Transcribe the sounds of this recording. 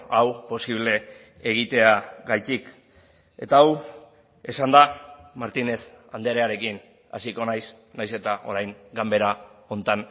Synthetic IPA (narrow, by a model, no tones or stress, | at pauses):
awpo̞siβ̞le̞ː | ɣ̞it̪e̞aɣajt̪ik | e̞̰t̪aːw | e̞sand̪amaɾt̪ine̞s | and̪eɾe̞aɾe̞kin | a̰siko̞najs | najse̞t̪aʔo̞ɾajŋɡambe̞ɾao̞nt̪an